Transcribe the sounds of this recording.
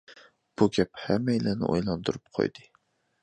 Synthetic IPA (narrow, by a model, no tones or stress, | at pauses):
b̥uɡʲɛp̚hɛmːɛjilɛnɪ̰ʔojlˠɑnd̪uɾup̚qʰo̰jd̪ɨ